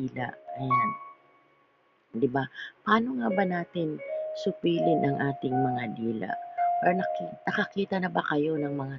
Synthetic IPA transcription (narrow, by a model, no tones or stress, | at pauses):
iːla̰ʔɐjan | d̪ɪbapɐaːno̞ŋaːbɐnaːt̪ɪnsʊpiːlɪnʔɐŋʔaːt̪ɪŋmɐŋad̪iːlɐ̰ʔpaɾnɐknɐkɐkiːt̪ɐnɐbɐkɐjo̞nɐŋmɐŋa